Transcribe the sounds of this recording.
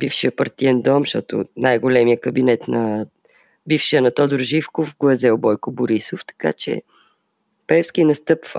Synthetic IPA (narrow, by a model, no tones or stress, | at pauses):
bifʃiəpɐɾt̪iɛnd̪ɔmʃt̪ɔt̪ʊ̰najɡolɛmijəkəbinɛt̪nɐ | bifʃiənɐt̪ɔd̪ʊɾʒifkofɡlˠɐzɛlˠbɔjkʊboɾisoft̪ɐ̥ka̰t͡ʃɛ̰ | pɛfskinɐst̪ɤpvə̰